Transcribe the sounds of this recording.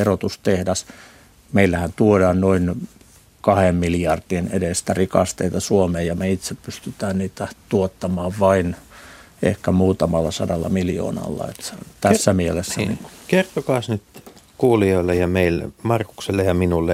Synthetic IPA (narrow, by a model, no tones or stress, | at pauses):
erot̪ust̪ehdæs | meilːæhænt̪uodɑːnnoin | kɑhemmiljɑrd̥ienedest̪ærikɑ̰st̪eit̪ɑsuomeːjjɑmeit̪seppyst̪yt̪æːnniːt̪æt̪uot̪ːɑmɑːʋʋɑin | ḛhkæmuːt̪ɑmɑlːɑsɑdɑlːɑ̰miljo̰ːnɑ̰lːɑ̰ḛt̪t̪æsːæmielesːænḭŋkukert̪okɑːsnyt̪kuːlioilːejɑmeilmɑrku̥kselːejɑminulːe